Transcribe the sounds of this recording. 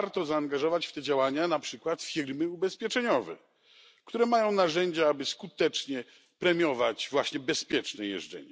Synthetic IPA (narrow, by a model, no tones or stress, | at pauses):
aɾt̪ɔzaːŋɡaʐɔvat͡ɕft̪ɛd͡ʑawaɲanapʂɘkwat̪fʲiɾmɘubɛspʲjɛt͡ʂɛɲɔvɛ̰ | kt̪uɾɛmajɔ̃w̃naʐɛɲd͡ʑaabɘskut̪ɛt͡ʂɲɛ | pɾɛmʲjɔvat͡ɕvwaɕɲɛbɛspʲjɛt͡ʂnɛjɛ̰ʐd͡zɛ̰ɲɛ